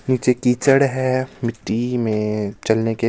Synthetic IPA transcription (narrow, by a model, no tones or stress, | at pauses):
niːt͡ʃekiːt͡ʃəɽɦɛmɪʈːimẽt͡ʃɐlneke